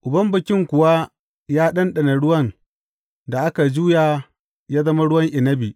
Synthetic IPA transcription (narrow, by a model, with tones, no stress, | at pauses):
ʔʊ˨bɐ˦mbɪ˨kʲɪ˦ŋkʷʊ˨wa˦ | jaː˦ɗɐ˦nɗɐ˨na˨ɽʊ˦wɐ˦n | da˨ʔa˦ka˨d͡ʒuː˦jaː˨ | jaː˦zɐ˦ma˦ɽʊ˦wɐ˦ŋʔɪ˨nɐ˦bi˨